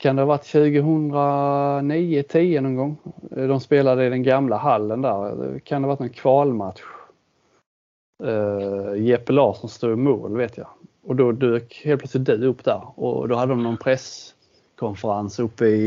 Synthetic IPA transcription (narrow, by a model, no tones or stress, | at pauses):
kʰand̪ɛhɑvaʈːɕʉ̟ːɡəɦɵnd̪ɾaniːət̪ʰiːənɔnɡɔŋːd̪ɔmspeːlad̪əɪd̪ɛnɡamlaɦalːənd̪æːɾ̰kʰand̪ɛhvaʈ̪nɔnkʰvɑːlmat̪ɧ | jɛpəlɑːʂɔmst̪uːmṵːlveːt̪ʰja̰ | ɔd̪ɔd̪ʉːkheːlpʰlœt̪slɪt̪̚d̪ʉɵpːd̪æɾɔ̰d̪ɔhad̪ːəd̪ɔmnɔnpʰɾɛs | kʰɔnfəɾansɵpːəɪ